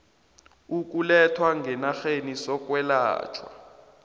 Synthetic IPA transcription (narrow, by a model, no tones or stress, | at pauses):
uk̬ʼulɛtʰwaŋɡʱɛnaxenisɔk̬ʼwɛla̰ːt͡ʃʰwa̰